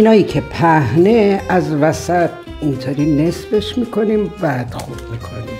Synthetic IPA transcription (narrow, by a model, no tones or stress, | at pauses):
inɒːjiːcʲʰe̞pʰæhne̞æzvæsæt̪̚ʰ | int̪ʰoːɾiːne̞sfe̞ʃmiːkʰo̞niːmvæd̪ɒ̰md̪mikʰo̞niːm